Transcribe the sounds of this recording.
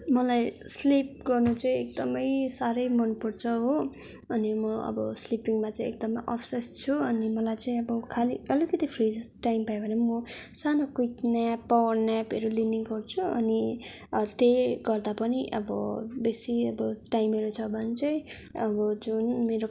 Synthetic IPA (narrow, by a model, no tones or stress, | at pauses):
mʌlajslip̚ɡʌrnut͡sʌĩek̚d̪ʌmʌjsaɾʌjmʌnpurt͡sʰʌɦo | ʌnimʌʌ̰bʌslipiŋmat͡sãĩek̚d̪ʌmʌjʔʌpʰsest͡sʰuʌnimʌlajt͡sʌĩʌbʌkʰaliʌlikʌt̪ipʰrid͡zʈaimpajbʱʌnemʌsanokujknjapʌwʌrnjapeɾuliniŋɡʌrt͡sʰuʌ̰ni | ʌt̪eɡʌrd̪apʌniʔʌbʌbesiʌbʌʈajimʌɾut͡sʰʌbʱʌnit͡sʌĩ | ʌbʌd͡zunmeɾo